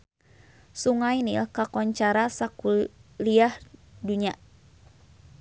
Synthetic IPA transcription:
suŋajnilkakɔɲt͡ʃaɾasakuliahduɲa

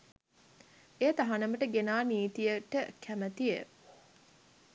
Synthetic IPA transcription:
ejət̪aɦanəməʈəɡenaːniːt̪ijəʈəkʰæmət̪ijə

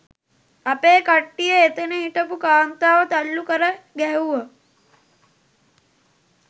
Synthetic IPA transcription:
apeːkaʈːijəet̪enəɦiʈ̪əpukaːnt̪aːʋət̪alːukəɾəɡɛɦuʋə

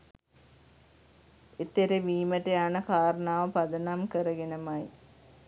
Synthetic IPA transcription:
et̪ːeɾeʋiːmɐʈːeaːnɐkaːɾɐɳaːʋɐpɐd̪ɐnamkɐɾɐɡenɐmaji

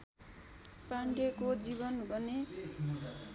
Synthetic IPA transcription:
paɳɖekod͡zibʌnbʱʌne

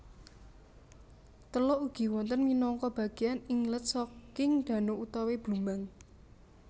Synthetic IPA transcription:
t̪əlɔuɡ̥i̤wɔnt̪ənminɔŋkɔb̥ä̤ɡ̥eanɪŋlət̪̚sɔkɪŋd̪̥a̤noʔut̪aweb̥lumaŋ

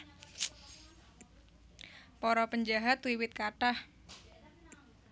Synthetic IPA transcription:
pɔɾɔpəɲd͡ʒaɦat̪wiwɪt̪̚kaʈah

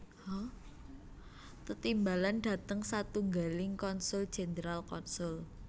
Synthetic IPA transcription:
ɔ | t̪ət̪imbalanɖ̥a̤t̪əŋsat̪uŋɡalɪŋkɔnsʊld̥ʒ̥e̤nəɾalkɔnsʊl

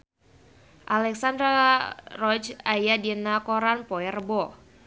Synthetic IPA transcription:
ʔalɛksand̪ɾarɔt͡ʃajadinakɔɾanpɔɛrbɔ

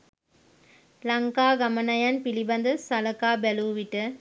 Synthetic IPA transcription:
lɐŋkaːɡɐmɐnɐjanpilibɐnd̪ɐsɐlɐkaːbɛluːʋiʈːɐ

